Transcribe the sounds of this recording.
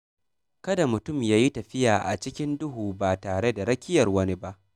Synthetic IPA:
kɐ˦da˨mʊ˨tʊ˦˨mjaː˦ji˦tɐ˨ɸɪ˦jaː˨ʔa̰˨t͡ʃɪ˦kʲɪ˦ndʊ˦ɦuː˨baː˨taː˨ɽe˦da˨ɽɐ˦kʲɪ˦jɐ˨rwɐ˦ni˦ba˦ʔ

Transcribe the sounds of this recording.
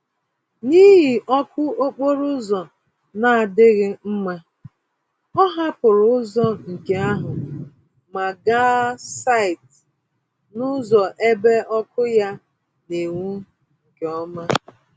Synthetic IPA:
ni˦ɦi˨ʔɔ˦kʊ˦o˦k͡po˦ɾʊ˦zɔ˨ | na˨a˨dɪ˦ɣɪ˦m̩˦ma˦ | ɔ˦ɦa˦pʊ˨ɾʊ˦zɔ˦ŋ̩˨ke˨a˦ɦʊ˨ | ma˨ɡa˦sa˦˨ɪ˨t | nʊ˦zɔ˨ʔe˦be˦ɔ˦kʊ˦ja˦ | ne˨ŋu˦ | ŋ̩˨ke˨ɔ˦ma˦

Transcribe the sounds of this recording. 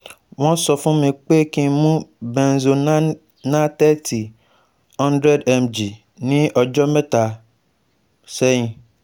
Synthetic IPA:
w̃ɔ̃˦sɔ˨fũ˦mẽ˨k͡pe˦˨kĩ˦mũ˦bɛ̃˨nzo˨n˦ | nã˦t̪ɛ˦tʰi˨ | hɔ̃˦ndɾɛ˦dɛ˨md͡ʒi˨ | nĩ˦ʔɔ˨d͡ʒɔ˦mɛ˦ta˨ | sɛ˦ɲĩ˨

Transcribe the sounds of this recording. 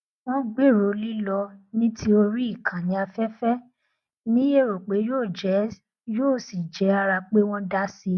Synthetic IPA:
w̃ɔ̃˦ɡ͡be˦˨ɾo˨li˦lɔ˧nĩ˦tʰi˦o˧ɾi˦i˦˨kã˨nĩ˨˦a˧fɛ˦fɛ˦ | nĩ˦je˦˨ɾo˨k͡pe˨˦joː˦˨d͡ʒɛ˨˦ | joː˦˨si˨d͡ʒɛ˨˦a˧ɾa˧k͡pe˦w̃ɔ̃˦da˦si˧

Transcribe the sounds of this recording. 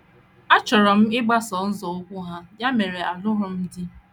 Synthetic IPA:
a˦t͡ʃɔ˨ɾɔ˨m̩˦ɪ˦ɡ͡ba˦sɔ˨˦n̩˦zɔ˨ʊ˦kʷʊ˦ɦa˦ja˦me˨ɾe˨a˨lʊ˦ɦʊ˦m̩˦dɪ˦

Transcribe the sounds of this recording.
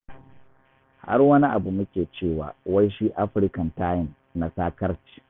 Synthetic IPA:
ha̰˦rwɐ˦ni˦ʔa˨bu˨mʊ˦kʲeː˨t͡ʃeː˦˨wa̰ː˨wɐ˦jʃiː˦ʔa˦ɸɪ˦ɾkɐ˨ntaː˦jɪ˦˨n | na˨saː˦kɐ˦ɾt͡ʃi̥ː˨

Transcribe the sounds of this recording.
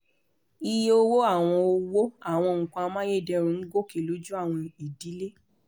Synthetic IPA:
i˧je˦o˧wo˦a˦˨w̃ɔ̃˧o˧wo˦a˦˨w̃ɔ̃˧ŋ̩˨kã˧mã˦je˦˨dɛ˧ɾũ˧˦n̩˦ɡo˦˨ke˨lo˨˦d͡ʒu˦a˦˨w̃ɔ̃˧i˨di˨˦le˦

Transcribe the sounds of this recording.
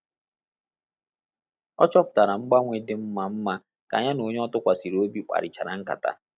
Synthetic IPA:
ɔ̰˦t͡ʃɔ˦pʊ̥˨ta˨ɾa˨ŋ͡m̩˦ɡ͡ba˦ŋʷe˦dɪ˦m̩˦ma˨m̩˦ma˦ | ka̰˨ɲa˦no˨˦ɲ˦ɔ˦tʊ˦kʷa˨si˨ɾo˦bi˦k͡pa̰˨ɾɪ˨t͡ʃa˨ɾa̰˨ŋ̩˦ka̰˨ta̰˨

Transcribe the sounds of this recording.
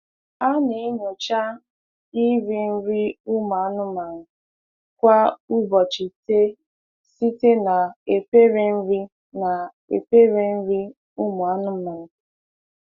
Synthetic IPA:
a˦ne˨e˦ɲo˨t͡ʃa˦ | i˦ɾi˦n̩˦ɾi˦u˦mʊ˨a˦nʊ˦ma˨ŋʊ˨ | kʷa˦u˦bɔ˨t͡ʃi˨te˦ | si˦te˦na˨e˨pe˦ɾe˦n̩˦ɾi˦ | na˨ | ḛ˨pe˦ɾe˦n̩˦ɾi˦ | u˦mʊ˨a˦nʊ˦ma˨ŋ̩˨

